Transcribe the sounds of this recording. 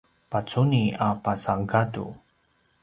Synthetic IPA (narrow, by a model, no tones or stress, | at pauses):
pat͡suniapasaŋɡadṵ